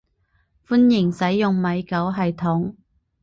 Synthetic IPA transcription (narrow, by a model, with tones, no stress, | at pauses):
fu˥njɪ˨˩ŋsɐ˨˥jːʊ˨ŋmɐ˨˧jkɐ˨˥wɦɐ˨jt̪ʰʊ˨˥ŋ